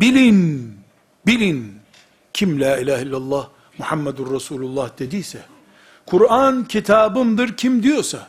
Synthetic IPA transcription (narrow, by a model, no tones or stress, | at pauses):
bilʲin | bilʲin | cʰimlʲæːilʲaːhilʲːalˠːɑːh | muħamːɛd̪unɾasuːlʲulˠːɑhd̪̥e̞d̪ijsɛ | kʰuɾancʰit̪ʰaːbɯmd̪ɯɾcʰimd̪ijo̞ɾsa